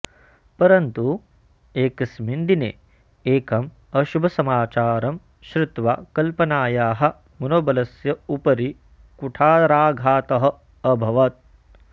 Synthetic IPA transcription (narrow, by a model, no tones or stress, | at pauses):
pɐɾɐnt̪u | eːkɐsmind̪inḛː | eːkɐm | ɐʃubʱɐsɐmaːt͡ʃaːɾɐm | ʃɾɪt̪ʋa̰ːkɐlpɐnaːjaːɦɐ̆ | mɐnoːbɐlɐsjɐupɐɾi | kuʈʰaːɾaːɡʱaːt̪ɐɦɐ̆ | ɐbʱɐʋɐt̪̚